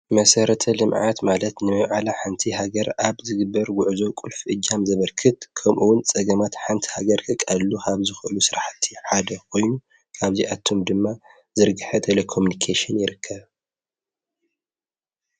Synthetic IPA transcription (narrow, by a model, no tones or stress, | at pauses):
mɐsɐɾɐt̪ʰɐlɨmʕa̰t̪malɐt̪nɨmɐβʕalaħant̪ʰiɦaɡɐɾʔaβzɨɡɨbːɐɾɡʊʕzo̞kʼulfʔɨd͡ʒːamzɐβɐɾkʰɨt̪̚kʰɐmʔuwʊnt͡sʼɐɡɐmat̪ħant̪ʰi̥haɡɐɾkʰɨkʼalːukʰaβzɨxʔɨlusɨɾaħt̪ʰːiħad̪ɐkʰo̞jnu | kʰaβziʔat̪ʰomd̪ɨmːa | zɨɾɡɨħɐt̪ʰelekʰo̞munikʰeʃɨnjɪɾɨkʰːɐβ